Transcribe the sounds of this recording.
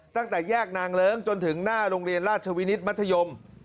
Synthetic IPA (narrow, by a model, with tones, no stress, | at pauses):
t̪a˥˩ŋt̪ɛː˨˩jɛː˥˩k̚naː˧ŋɾɤː˦˥ŋt͡ɕo˧nt̪ʰɯ˩˦ŋnaː˥˩ɾoː˧ŋɾi˧ənɾaː˥˩t̪̚t͡ɕʰa˧wi˦˥ni˦˥t̪̚ma˦˥t̪ʰːa˧jo˧m